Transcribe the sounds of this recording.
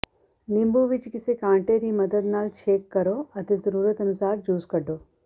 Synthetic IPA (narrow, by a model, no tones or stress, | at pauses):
nimbuʋit͡ʃikisekaːɳʈeːɾimɐd̪ɐd̪naːlt͡ʃʰeːkːɐɾoːɐt̪it̪ɾuɾɐt̪ɐnusaːɾd͡ʒuːskɐɖoː